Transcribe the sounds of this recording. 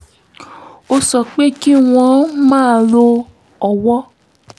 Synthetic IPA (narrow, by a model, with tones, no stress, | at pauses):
o˧sɔ˨k͡pe˦ki˦w̃ɔ̃˧mãː˦˨lo˧ | ɔ˨wɔ˦